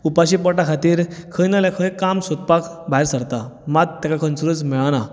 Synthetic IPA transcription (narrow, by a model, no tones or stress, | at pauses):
upaɕipəʈakʰat̪iːɾkʰəjnalakʰə̃j̃kamsot̪̚pakbʱaiɾsəɾt̪amad̪̚t̪ːɛkakʰənsuɾət͡smɛɭana